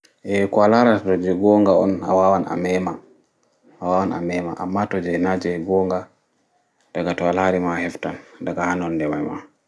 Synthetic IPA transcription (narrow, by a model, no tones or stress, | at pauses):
ʔɛkɔalaɾaatɔd͡ʒɛɡɔŋɡaɔ̰na̰wawana̰mɛma | awawana̰mɛma̰ʔa̰mːatɔd͡ʒɛnad͡ʒɛɡɔŋɡa | d̥aɡatɔalaɾimahɛftandaɡahanɔndɛmajma̰